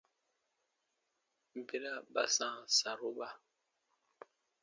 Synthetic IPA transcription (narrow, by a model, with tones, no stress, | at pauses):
m˨be˦la˦ba̰˨sãː˨sa˨ɾo˦ɓa˦